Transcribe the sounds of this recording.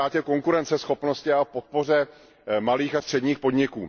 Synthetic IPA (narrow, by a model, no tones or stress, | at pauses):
aːcɛko̞ŋkuɾɛnt͡sɛsxo̞pno̞scɪafpo̞t̪̚po̞r̝ɛ | maliːxast̪r̝̥ɛdɲiːxpo̞d̪ɲɪkṵː